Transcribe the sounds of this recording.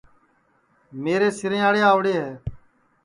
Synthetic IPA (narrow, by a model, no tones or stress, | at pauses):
meːɾeːsɪɾẽːaːɽeːaːʋɽeːɦɛː